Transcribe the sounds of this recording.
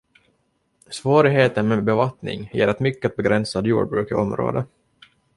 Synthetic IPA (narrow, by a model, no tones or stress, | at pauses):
svoːɾɪɡɦeːt̪ənmɛbɛvat̪nɪ̰ŋjḛːɾat̪mʏkːəat̪̚bɛɡɾɛnsad̪jṵːɖbɾʉ̟ːkɪɔmɾo̰ːd̪ə